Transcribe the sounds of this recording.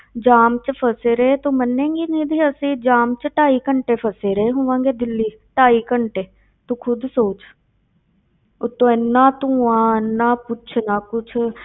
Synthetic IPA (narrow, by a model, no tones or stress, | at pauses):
d͡ʒaːmt͡ʃpʰəseːɾəet̪õːmənːẽːɡiːnĩːd̪iːəsĩːd͡ʒaːmt͡ʃʈaːiːkəɳʈeːpʰəseːɾeeːɦõːʋãːŋɡeːd̪ɪlːiː | ʈaːiːkəɳʈeː | t̪õːkʰʊd̪soːt͡ʃ | ʊt̪ːõːɛnːãːt̪ũːãːnːaːpʊt͡ʃʰnaːkʊt͡ʃʰ